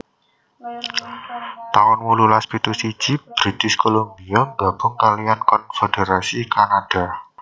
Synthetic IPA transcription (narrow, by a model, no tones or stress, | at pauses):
t̪awɔnwululaspit̪usi̥d͡ʒ̥ib̥ɾit̪ɪskolombiɔŋɡa̤b̥ʊ̤ŋkalijankɔnfed̥eɾasikanad̥a̤